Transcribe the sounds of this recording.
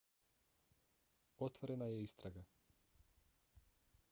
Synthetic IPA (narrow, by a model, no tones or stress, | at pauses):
ɔt̪vɔɾɛnajɛist̪ɾaɡa